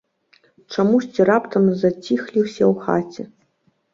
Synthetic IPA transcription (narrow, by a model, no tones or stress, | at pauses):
t͡ʂamusʲt͡sʲirapt̪ɐmzat͡sʲixlʲiwsʲɐwxa̰t͡sʲɛ